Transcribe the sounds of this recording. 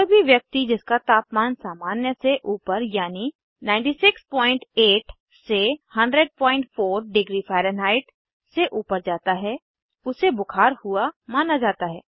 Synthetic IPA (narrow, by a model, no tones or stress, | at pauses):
ɾbʱiʋjək̚t̪id͡ʒɪskat̪aːpmaːnsaːmaːnjəseʔuːpəɾjaːni | nãːɪ̃ɳʈisɪkspɔːɪ̃ɳʈeːʈ | sehɐ̃ɳɖɾəɖ̚pɔːɪ̃ɳʈfʰoːɾɖɪɡɾifʰɛːɾənɦaːɪʈ | seʔuːpəɾd͡ʒaːt̪aɦɛ | ʊsebʊkʰaːɾhʊamaːnad͡ʒaːt̪aɦɛː